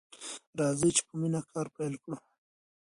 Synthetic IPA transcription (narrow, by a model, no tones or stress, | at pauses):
ɾɑzət͡ʃe̥pəminakʰɑɾpajlkɽu